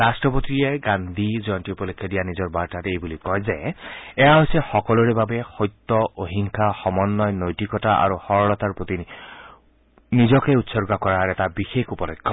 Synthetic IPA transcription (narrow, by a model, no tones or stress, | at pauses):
ɹastɹɔpot̪ijeɡand̪ʱizɔjɔntiupɔlɔkʰːɔdijanizɔɹbaɹtatejbulikɔjzeɛjaɦojsɛxɔkɔlɔɹebabɛxɔjt̪ːɔoɦiŋkʰaxɔmɔnːɔjnojtikɔtaʔa̰ɹuxɔɹɔlɔt̪aɹpɹot̪i | nizɔkeut̪sɔɹɡakɔɹaɹɛtabixekʰupɔlekʰːɔ